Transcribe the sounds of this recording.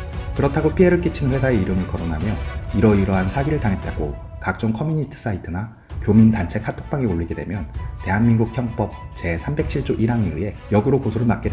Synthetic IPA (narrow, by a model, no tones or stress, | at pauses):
kɯɾʌtʰaɡopʰiɦe̞ɾɯɭk͈it͡ɕʰinɸwe̞sʰae̞iɾɯmɯɭkʌɾonɦamjʌiɾʌiɾʌɦansʰaɡiɾɯɭtaŋɦe̞t̚t͈aɡo̰ | kak̚t͡ɕ͈oŋkʰʌmjuɲitʰɯ̥s͈aitʰɯna | kjomintant͡ɕʰe̞kʰatʰok̚p͈aŋioɭʎːiɡedwe̞mjʌnte̞ɦanminɡuk̚çjʌŋp͈ʌp̚t͡ɕe̞sʰambe̞k̚t͡ɕʰiɭt͡ɕ͈oʔiɾaŋeɯe̞jʌɡɯɾokosʰoɾɯɭmak͈̚ed